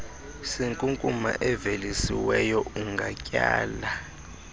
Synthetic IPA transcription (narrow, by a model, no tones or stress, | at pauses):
siŋkʼuŋkʼuma̰ʔɛvelisiwɛjɔuŋɡʱacʼaːla